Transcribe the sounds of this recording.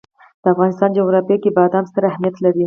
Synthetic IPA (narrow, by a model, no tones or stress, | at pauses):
d̪̥əafɣɑnɪst̪ɑnd͡ʒoɣɾɑpjɑkebɑd̪ɑmst̪əɾahmijat̪laɾi